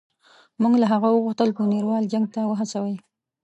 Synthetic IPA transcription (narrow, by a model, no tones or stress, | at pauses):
muŋɡlaɦaɣawəɣuxt̪əlpəniɾwɑld͡ʒaŋɡ̚t̪awəɦat͡sawəj